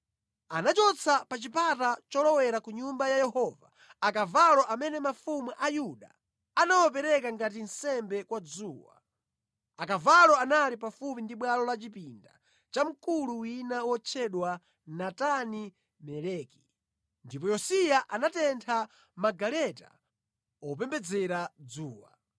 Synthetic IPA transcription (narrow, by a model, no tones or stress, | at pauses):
anat͡ʃɔt͡sʰapat͡ʃipatat͡ʃɔlɔwɛɾakuɲumbajajɛhɔva | akavalɔʔamɛnɛmafumuʔajuɗa̰ | anawɔp̬ɛɾɛkaŋɡatin̩sɛmbɛkwad͡zuːwa̰ | akavalɔanalipafup̬indiɓwalɔlat͡ʃipinda̰ | t͡ʃam̩kuluwinawɔt͡ʃʰɛɗwa | natani | mɛlɛːki̥ | ndipɔjɔsijaʔanatɛntʰa | maɡalɛta̰ | ɔp̬ɛmbɛd͡zɛɾad͡zuːwa̰